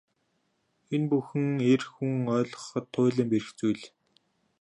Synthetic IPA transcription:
enpuxɘ̆ŋerxuŋœːɮɞ̥̆χə̆t̪ʰːʊːɮə̆mpeɾɘ̆xt͡sujɮ

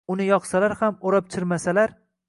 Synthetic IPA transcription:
ʊnɪjɒqsalaɾhamoɾɒp̚t͡ʃʰɪɾmasalaɾ

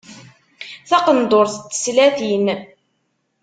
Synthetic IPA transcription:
θɑqənd̪oɾθət͡s̪ːə̥slæθin

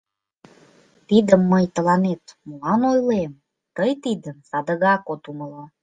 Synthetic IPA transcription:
t̪id̪əmːəjt̪əlɑnet̪məlɑnojlem | t̪əjt̪id̪ənsɑd̪əɣɑkot̪uməlɑ

